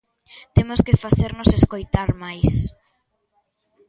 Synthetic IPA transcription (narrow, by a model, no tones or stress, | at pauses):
t̪emoskɪfaθeɾnoseskojt̪aɾmajs